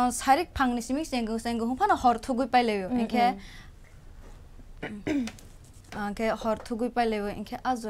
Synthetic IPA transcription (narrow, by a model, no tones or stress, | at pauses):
saɾik̚pʰaŋnisimik̚seŋɡɯseŋɡɯɦuŋpʰanahɔɾtʰuɡujpajlewjɔiŋkʰe | ŋkʰehɔɾtʰuɡujpajlejbɯḭŋkʰeʔazɔ